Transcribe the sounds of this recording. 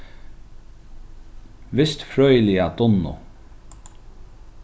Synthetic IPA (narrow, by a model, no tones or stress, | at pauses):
ʋɪst̪fɾœʏlɪad̪ʊnʊ̰